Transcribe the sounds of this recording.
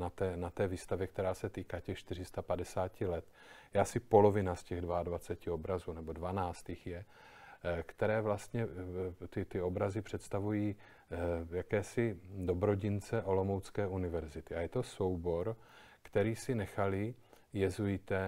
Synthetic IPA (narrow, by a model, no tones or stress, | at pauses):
nat̪ɛːnat̪ɛːviːst̪avjɛk̚t̪ɛɾaːsɛt̪iːkaːcɛxʃt̪ɪr̝ɪst̪apadɛsaːcɪlɛt̪ | jɛasɪpo̞lo̞vɪnascɛɣdvaadvat͡sɛcɪo̞bɾazuːnɛbo̞dvanaːt͡st̪ɪxjɛ | kt̪ɛɾɛːvlast̪ɲɛt̪ɪt̪ɪo̞bɾazɪpr̥ɛt̪st̪avujiː | jakɛːsɪdo̞bɾo̞ɟɪnt͡sɛʔo̞lo̞mowt͡skɛːʔunɪvɛɾzɪt̪ɪajɛt̪o̞so̞wbo̞ɾkt̪ɛɾiːsɪnɛxalɪjɛzujɪt̪ɛ